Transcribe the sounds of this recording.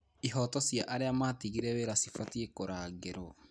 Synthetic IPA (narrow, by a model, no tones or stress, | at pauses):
iɦɔtɔsjaʔaɾeamatiɣiɾɛweɾasifatiekoɾaːɣeɾɔ